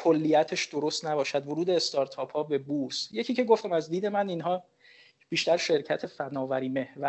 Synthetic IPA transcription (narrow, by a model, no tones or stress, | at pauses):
kʰolːijæt̪ʰeʃd̪oɾost̪næbɒːʃæd̪voɾuːd̪eːst̪ʰɒɾt̪ʰɒːpʰhɒːbe̞buːɾsjecʰiːcʰe̞ɡo̞ft̪æmæzd̪iːd̪e̞mæniːnɦɒː | b̥iːʃt̪æɾʃe̞ɾcʰæt̪ʰe̞fænɒːvæɾiːme̞hvæ